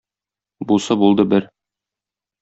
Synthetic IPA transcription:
busɤbulˠd̪ɤbɘɾ

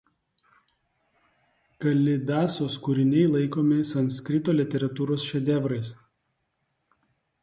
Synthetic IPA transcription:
kɐlʲɪd̪ɑːsoːskʊɾʲɪnʲɛɪlˠɐɪkoːmʲɪsɐnskɾʲɪt̪oːlʲɪt̪ʲɛɾɐt̪uːɾoːsʃʲɛd̪ʲɛʋɾɐɪs

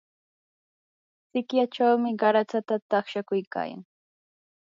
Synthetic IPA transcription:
t͡sɪkjat͡ʃawmɪɢɑɾat͡sat̪at̪ɑχʃakʊjka̰ːja̰ŋ

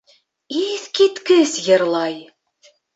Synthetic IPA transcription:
iθkit̪kɘsjɤ̆ɾlˠɑj

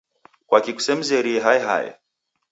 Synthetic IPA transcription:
kwakiku̥sɛm̩zɛɾiɛɦajɛɦa̰jɛ̰

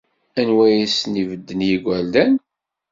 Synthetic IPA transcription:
ænwæjisnivəd̪ːənjiɡʷæld̪æn

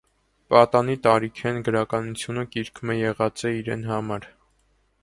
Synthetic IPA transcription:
pɑt̪ɑnit̪ɑɾikʰɛnɡəɾɑkɑnut͡sʰjunəkiɾkʰmɛjɛʁɑt͡sɛiɾɛ̰n̪ɦɑmɑɾ

